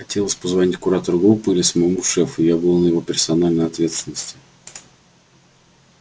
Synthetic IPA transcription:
xɐtʲe̞lˠəsʲpəzvɐnʲitʲkʊɾat̪əɾʊɡɾupːɨɪlʲɪsməjɪmuʂɛfʊjabɨlˠnəjɪvo̞pʲɪrsɐnalʲnəjɐt̪vʲe̞t̪st̪ʲɪnːəsʲtʲɪ̥

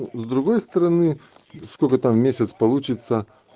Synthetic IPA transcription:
zd̪ɾʊɡojst̪əɾɐnɨ | skokət̪ammʲesʲət̪spɐlˠut͡ɕɪt̪sə

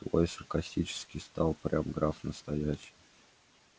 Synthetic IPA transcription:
t̪vojsərkɐsʲtʲit͡ɕɪ̥skʲɪjst̪ɑlˠpɾʲʔamɡɾafnəst̪ɐjæɕɪj

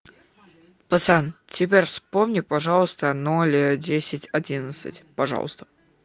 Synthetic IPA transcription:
pət̪santʲɪpʲeɾʲfspomnʲipɐʐɑlˠəst̪ənolʲədʲesʲɪtʲɐdʲinət̪sɨ̰tʲpɐʐɑ̰lˠə̰st̪ə̥

